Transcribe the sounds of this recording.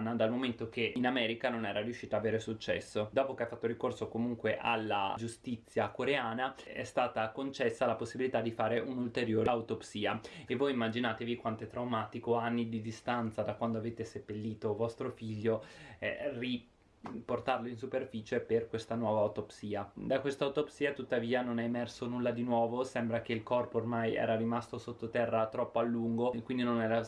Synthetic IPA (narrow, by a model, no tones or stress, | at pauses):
nːad̪almoment̪ok̟einamɛːɾikanonɛːɾarjuʃːiːt̪aːveːɾesut͡ʃːɛ̰sːod̪ɔːpokeafat̪ːoɾikorsokomuŋkweʔa̰lːa̰d͡ʒust̪it̪sːjakoɾeaːnaɛ̰st̪aːt̪akont͡ʃɛsːalaposːibilit̪ad̪ifaːɾeʔunult̪eɾjoːɾut̪opsiːaevːojimːad͡ʒinaːt̪evikwant̪oɛt̪ːɾawmaːt̪ikoanːid̪id̪ist̪ant̪sad̪akwand̪oaveːt̪esepːelːiːt̪ovɔst̪ɾofiʎːoɛ̰ri | port̪arloins̬uperfiːt͡ʃeperkwest̪anwɔːvaːut̪opsiːad̪akwest̪aut̪opsiːat̪ut̪ːaviːanonɛemɛrsonulːad̪inwɔːvosɛmbɾak̟eilkɔrpoːrmajɛ̰ːɾaɾimast̪osot̪ːot̪ɛrːat̪ɾɔpːoalːuŋɡokwind̪inonɛːɾa